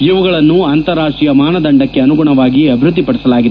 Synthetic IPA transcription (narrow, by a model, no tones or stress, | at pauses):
iʋuɡɐɭɐnːuɐnt̪ɐɾaːʂʈɾijɐmaːnɐd̪ɐɳɖɐkːe̞ɐnuɡuɳɐʋaːɡiɐbʱiɾud̪ːipɐɽɛsɐlaːɡid̪e